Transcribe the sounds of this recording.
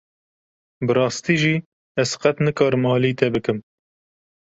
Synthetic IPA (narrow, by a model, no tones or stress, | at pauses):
bɨɾɑːst̪iːʒiː | ɛzqɛt̪nɨkɑːɾɨmɑːliːt̪ɛbɨkɨm